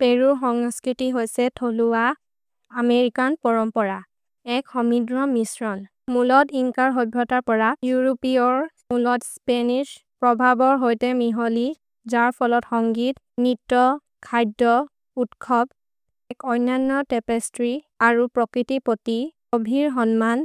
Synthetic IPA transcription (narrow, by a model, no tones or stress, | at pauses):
peɹuxɔŋskɹitiɦojsɛtʰoluwa | ameɹikanpɔɹɔmpɔɹa | ɛkxɔmidɹɔmisɹɔn | mulɔtiŋkaɹɦɔbʱɹɔtaɹpɔɹajuɹopiɔɹ | mulɔtspɛnis | pɹɔbʱabɔɹɦojtɛmiɦoli | zaɹpʰɔlɔtxɔŋɡit | nitːɔ | kʰajdɔ | utkʰɔb | ɛkɔjnanːɔtɛpɛstɹi | aɹupɹɔkɹitipoti | obʱiɹɦɔnman